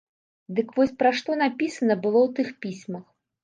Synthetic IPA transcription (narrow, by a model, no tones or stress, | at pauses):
d̪ɨkvɔsʲpɾaʂt̪ɔnapʲisɐnɐbɨlˠɔwt̪ɨxpʲisʲmɐx